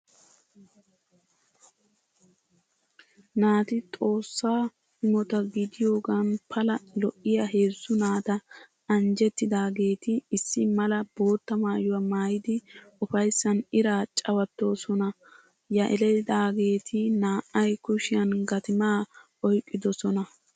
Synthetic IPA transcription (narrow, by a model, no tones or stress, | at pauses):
naːt̪ɪt̪ʼo̞ːsːaː | hɪmɔt̪ɐɡɪd̪ɪjo̞ːɡanpʰɐlɐlɔʔːɪjaɦe̞ːsːʊnaːt̪ɐ | ɐnd͡ʒɛt̪ːɪd̪aːɡe̞ːt̪ɪːsːɪmɐlɐbo̞ːt̪ːɐmaːjʊwɐmaːjɪd̪ɪʊfɐjsːɐnɪɾaːt͡ʃʼɐwɐt̪ːo̞ːsɔnɐ | jɐʔɛlɛd̪aːɡe̞ːt̪ʰɪnaːʔːɐjkʊʃɪjɐnɡɐt̪ɪmaːʔɔjkʼːɪd̪ɔsɔnɐ